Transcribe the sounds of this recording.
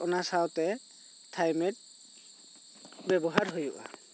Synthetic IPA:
ɔnasawtɛ | tʰajmɛt̚ | bɛbɔɦaɹɦojuʔa̰

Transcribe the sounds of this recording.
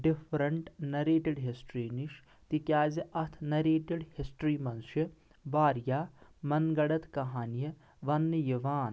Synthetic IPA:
ɖifʰɾɐɳʈnɐɾeːʈeɽɦisʈɾiːniʃ | t̪ikjaːziʔɐt̪ʰnɐɾeːʈeɽhisʈɾiːmɐnsɐ | baːɾjaːmɐnɡɐɽɐt̪kɐɦaːnijɐ | ʋɐnːɨjɐʋaːn

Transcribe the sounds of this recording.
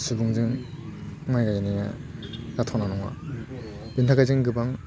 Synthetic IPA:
sɯbɯŋd͡ʒɯŋ | majɡajanija̰zatʰɔnanɔŋa̰ | bɯntʰaɡazɯŋɡɯbaŋ

